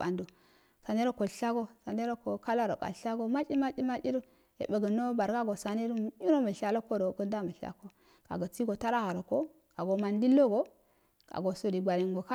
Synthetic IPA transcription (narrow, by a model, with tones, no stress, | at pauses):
a˨ndo˨ | sa˨ne˦ɾo˦ko˨ɬa˦ɡo˦sa˨ne˦ɾo˦ko˨ka˦la˦ɾo˨ka̰˨ɬa˦ɡo˦ma˦t͡ʃi˦ma˦t͡ʃi˦ma˦t͡ʃi˦ɾu˦ | ḛ˨bə˨ɡə˨no˦ba˨ɾɡa˦ɡo˨sa˨ni˦ɾi˦ɾo˦mə˨ɬa˨lo˦ko˦do˨kə˦nda˦mə˨ɬa̰˨ko˦ | ka̰˨ɡə˨t͡si˦ɡo˨ta˦ɾa˦ha˨ɾo˨ko˦ | ka˨ɡo˨ma˨ndi˦lːo˦ɡo˦ | ka̰˨ɡo˨so˨di˨ɡʷa˨ɾi˨ŋɡo˨ka˦